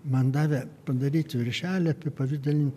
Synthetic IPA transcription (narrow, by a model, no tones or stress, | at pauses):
mɐnd̪ɑːʋʲɛpɐd̪ɐɾʲiːt̪ʲʋʲɪɾʲʃʲæːlʲɐpʲɪpɐʋʲɪd̪ʲɛlʲɪnʲt̪ʲ